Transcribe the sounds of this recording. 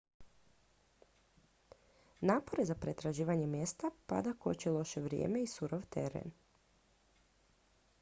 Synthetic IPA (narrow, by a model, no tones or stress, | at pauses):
naːpo̞ɾezapɾet̪ɾaʒiːʋaɲe̞mje̞st̪apa̰d̪ako̞̰t͡ɕelˠo̞ʃe̞ʋɾjḛːme̞isuɾoʋt̪ḛɾḛn